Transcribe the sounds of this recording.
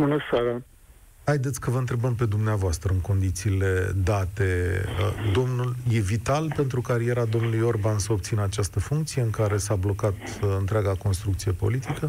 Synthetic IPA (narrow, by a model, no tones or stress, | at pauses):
bunəsaɾa | hajd̪e̞t̪sʲkəvəɨnt̪ɾe̞bəmpe̞d̪umneavoast̪ɾəɨŋko̞nd̪it̪siːle̞d̪at̪e̞ | d̪o̞mnulje̞vit̪alpe̞nt̪ɾukaɾije̞ɾad̪o̞mnulujo̞rbansəopt̪sinəat͡ʃast̪əfuŋkt̪sije̞ɨŋkaɾe̞sablo̞kat̪ɨnt̪ɾeaɡako̞nst̪ɾuk̚t̪sije̞po̞̰lit̪ikə